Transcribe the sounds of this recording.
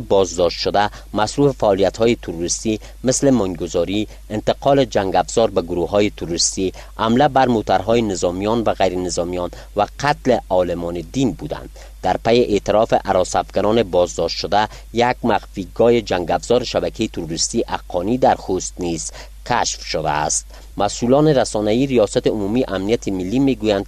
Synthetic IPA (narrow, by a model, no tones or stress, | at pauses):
bɔzd̪ɔʃt̪ʃod̪æ | masɾufefaːlijat̪hɔjet̪ʰuɾuɾist̪i | mɪslemɔŋɡozɒɾi | ɪnt̪ɪqʰɒled͡ʒaŋɡafz̥ɔɾbaɡʊɾuɦɔːjet̪ʰuɾuɾist̪i | hamlabæɾmot̪aɾɦɔjenezɒmijɔnvæɣajɾenɪzɒmijɔn | væqʰat̪leɒlemɒned̪inbud̪æ̰nd̪ | d̪æɾpæjeʔet̪ɪɾɒfeʔaɾɒsafɡanɔnebɔzd̪ɔʃt̪ʃod̪æ | jæɡmaɣfiɡɔːjed͡ʒæŋɡafz̥ɔɾeʃabækʰejit̪ʰuɾuɾist̪iʔaqʰːɔnid̪æɾxust̪niz̥ | kʰaʃfʃod̪æ̰ːst̪̚ | masulɔneɾasɔnaiːɾijɒsat̪iumumiʔamnijat̪ʰimilːimeɡujand̪̚